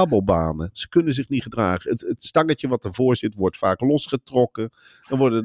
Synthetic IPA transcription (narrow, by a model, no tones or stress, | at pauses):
aːbəlˠbaːnəz̥əkɵnənzɪχnitχədraːχəətətstɑŋətəʋɑt̚dəɹvʊːɹzɪtʋɔɹtfa̰ːklɔsχətrɔkə | dɑnʋɔɹdə